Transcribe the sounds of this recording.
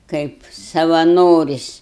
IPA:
ˈkɐɪp sɐʋɐˈnoːrʲɪsʲ

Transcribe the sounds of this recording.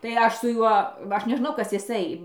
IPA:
tɐɪ ˈɐʃ sʊ ˈjuɔ ˈɐʃ nʲɛˈʒnɐʊ ˈkɐs jɪˈsɐɪ

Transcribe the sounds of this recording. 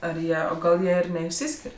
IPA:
ɐr ˈjiɛ oː ˈɡɐlˠ ˈjiɛ ɪr nʲɛɪʃʲˈsʲɪsʲkʲɪrʲ

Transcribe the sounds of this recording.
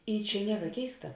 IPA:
ˈiː ˈt͡ʃʲɛ ˈnʲiɛkɐ ˈkʲɛɪstɐ

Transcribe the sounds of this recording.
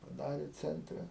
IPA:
pɐˈdɑːrʲeː ˈt͡sʲɛnʲtʲrʲɛ

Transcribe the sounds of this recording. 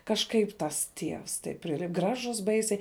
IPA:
kɐʃˈkɐɪp tɐs ˈtʲiɛws tɐɪp ˈpʲrʲɪlʲɪ ˈɡrɑːʒʊs ˈbɐɪsʲɛɪ

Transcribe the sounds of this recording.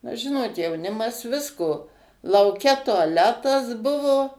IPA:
nɐ ˈʒʲɪnoːt jɛʊˈnʲɪmɐs ˈʋʲɪskoː lˠɐʊˈkʲɛ tʊɐˈlʲæːtɐs ˈbʊʋoː

